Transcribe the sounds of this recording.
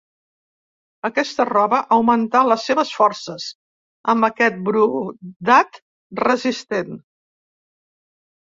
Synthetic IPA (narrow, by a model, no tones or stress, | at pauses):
əkɛst̪ərɔβəʔəwmənt̪aləsːeβəsfɔrsəz | əmbəkɛt̪̚bɾud̪at̪ | rəzist̪en